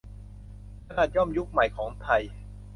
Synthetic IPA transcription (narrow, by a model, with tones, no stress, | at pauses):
kʰa˧naː˨˩t̪̚jɔ˥˩mju˦˥k̚ma˨˩jkʰɔː˩˦ŋt̪ʰa˧j